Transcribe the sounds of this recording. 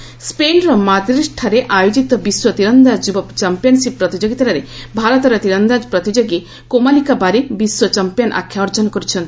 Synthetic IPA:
spenɾɔmad̪ɾisʈʰaɾeʔajod͡ʒit̪ɔbiswɔt̪iɾɔnd̪ad͡ʒubɔpt͡ʃampijɔnsip̚ːɾɔt̪id͡ʒoɡit̪aɾaɾebʱaɾɔt̪ɔɾɔt̪iɾɔnd̪ad͡ʒpɾɔt̪id͡ʒoɡe | komalikabaɾebiswɔt͡ʃampijɔnʔa̰kʰːjaɔɾd͡ʒɔnkoɾit͡ʃʰɔnt̪i

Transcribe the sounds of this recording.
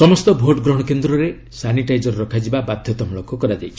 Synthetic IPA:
sɔmɔst̪ɔbʱoʈɡɾɔɦɽ̃ɔkend̪ɾɔɾe | saniʈajd͡ʒɔɾɾɔkʰad͡ʒibabad̪ʱjɔt̪ɔmɔlokɔkɔɾad͡ʒajt͡ʃʰi

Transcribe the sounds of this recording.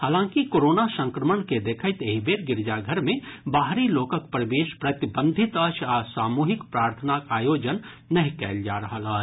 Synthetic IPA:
ɦaːlãːkikoːɾoːnasə̃ŋkɾəməɳked̪eːkʰəɪt̪eːɦibeːɾɡɪɾd͡ʒaɡʱəɾmẽbaːɦɾiloːkəkpɾɐʋeːʃpɾɐt̪ɪbə̃nd̪ʱɪt̪əʃasaːmuːɦɪkpɾaːɾt̪ʰənakaːjoːd͡ʒənː | ɐɦĩkɛːld͡ʒaːɾɐɦəlaː

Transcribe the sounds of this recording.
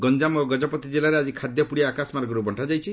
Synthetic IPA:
ɡɔnd͡ʒamoɡɔd͡ʒɔpɔt̪id͡ʒelaɾead͡ʒikʰad̪jɔpuɽiaːkasmaɾɡɔɾubʱɔɳʈʰad͡ʒajt͡ʃʰi

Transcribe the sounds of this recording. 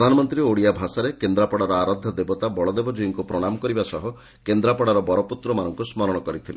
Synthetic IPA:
d̪ʱanɔmɔnt̪ɾioɽijabʱasaɾekend̪ɾapɔɽaɾɔaɾɔd̪ʱːɔd̪ebɔt̪abɔɭɔd̪ebɔd͡ʒujiŋkupɾɔɽ̃amɔkɔɾibasɔɦu | kend̪ɾapɔɽaɾɔbɔɾɔput̪ɾɔmanɔŋkusmɔɾɔɽ̃ɔkɔɾit̪ʰile

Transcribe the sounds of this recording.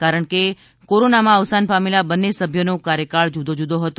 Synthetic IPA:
kaɾəɳ̃ke | koɾonamãəʋsanpamelabənːesəbʱjonokaɾjəkaɭd͡ʒud̪od͡ʒud̪oɦət̪

